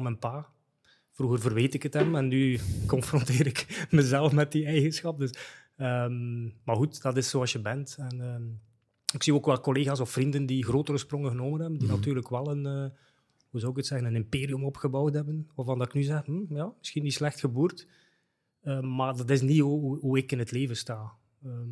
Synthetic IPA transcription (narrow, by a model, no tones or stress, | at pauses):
mɛnpaː | v̥ruɣərvərʋeːtɪkətɛmɛnːykɔnfrɔnteːɾɪkməzɛlˠəfmɛt̚diɛjɣənsxɑp̚dɵs | əmmarɣutd̥ɑtɪsːoːɑsjəbɛntɛnəː | ɪksioːkʋɛlˠkoleːɣaːsɔfrindəndiɣroːtəɾəsprɔŋəɣənoːmənɦɛbəndinɑtyːɾləkʋɛlˠənəː | huzɔwɪkətsɛɣənənɪmpeːɾiɵmɔpxəbɔwtɦɛbənʋaːrvɑndɑtɪknyzɛxm̩jaːmɪsxinːislɛxtxəbuːrt | əːmaːrdɑtɪs̬niɦuɪkɪnɦətleːvənstaː | əː